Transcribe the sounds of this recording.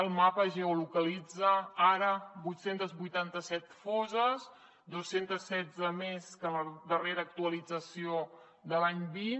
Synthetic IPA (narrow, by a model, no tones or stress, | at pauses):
əlˠmapəʒeolukəlid͡zəaɾəbujt̪sent̪əzβujt̪ant̪əsɛt̪fɔzəs | d̪osent̪əsːɛd͡zəmeskələðəreɾəːk̚t̪uəlid͡zəsio | d̪əlaɲbin